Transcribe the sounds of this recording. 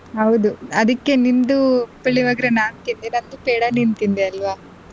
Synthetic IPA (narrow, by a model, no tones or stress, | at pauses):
ɦɐwd̪uɐd̪ɐkːe̞nind̪upeɭːiʋaːɡɐɾenaːnt̪ind̪enɐnd̪upeːɽanint̪ind̪eɐlʋaː